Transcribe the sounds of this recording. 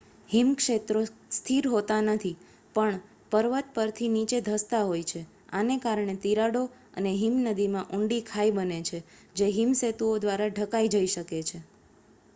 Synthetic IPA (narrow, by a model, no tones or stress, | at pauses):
himkʃet̪ɾost̪ʰiɾɦot̪anət̪ʰi | pəɳ | pəɾʋət̪̚pəɾt̪ʰinit͡ʃed̪ʱəst̪aɦojt͡ʃʰe | a̰nekaɾɳet̪iɾaɽo | ə̰neɦimnəd̪imãʔuɳɖikʰaibənet͡ʃʰe | d͡ʒeɦimset̪uod̪ʋaɾaɖʱəkaid͡ʒəiʃəket͡ʃʰe